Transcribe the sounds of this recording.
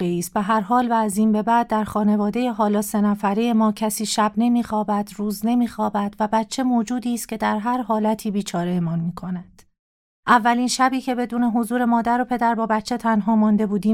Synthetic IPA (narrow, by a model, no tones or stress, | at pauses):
eiːs̚beɦæɾɦɒːlvæːziːmbe̞bæːd̪̚ːæɾxɒːne̞vɒːd̪e̞jeɦɒːlɒːse̞næfæɾejemɒːcʰæsiːʃæbne̞miːxɒːbæd̪ɾuːzne̞miːxɒːbæd̪̥væbæt̪ʰːt͡ʃʰe̞moːd͡ʒuːd̪iːst̪̚cʰe̞d̪æɾɦæɾɦɒːlæt̪ʰiːbiːt͡ʃʰɒːɾe̞jemɒːnmiːkʰo̞næd̪̥ | ʔævːæliːnʃæbiːcʰe̞be̞d̪uːne̞ɦozuːɾe̞mɒːd̪æɾo̞pʰe̞d̪æɾbɒːbæt̪t͡ʃʰːe̞t̪ʰænɦɒːmɒːnd̪e̞buːd̪iː